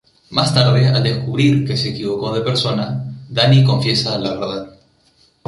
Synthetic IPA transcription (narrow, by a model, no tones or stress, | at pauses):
mast̪aɾðe̞a̰ld̪e̞skuβɾiɾke̞se̞ːkiβo̞ko̞ð̞e̞pe̞ɾso̞naðaniko̞ɱfje̞saːlaβeɾð̞að